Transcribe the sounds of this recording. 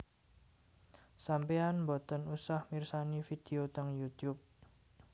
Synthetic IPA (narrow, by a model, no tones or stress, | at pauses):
sampeanmbɔt̪ənusahmirsanifid̥e̤ot̪əŋjut̪jup̚